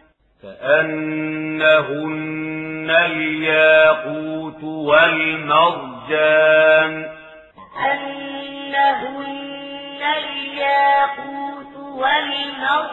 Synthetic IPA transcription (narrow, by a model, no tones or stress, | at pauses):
ka̰ʔanː | aɦʊnːaljaːquːt̪walmɑɾˤd͡ʒaːm | ʔanː | aɦʊnːaljaːquːt̪walmɑˤ